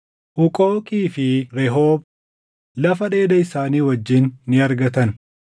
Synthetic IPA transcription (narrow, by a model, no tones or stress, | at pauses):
ʔʊkʼoːkʼiːfɪɾɛɦoːb̚ | lɐfɐᶑe̞ːd̪ɐɪsaːniːwɐd͡ʒːɪnːɪɐɾɡɐt̪ɐn